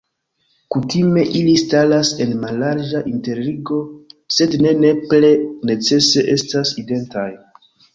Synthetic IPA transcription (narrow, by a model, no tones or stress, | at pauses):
kutime̞ʔilistalase̞nmalaɾd͡ʒaʔinte̞ɾliɡo̞se̞dne̞ne̞ple̞ne̞t͡se̞se̞ʔe̞staside̞ntaj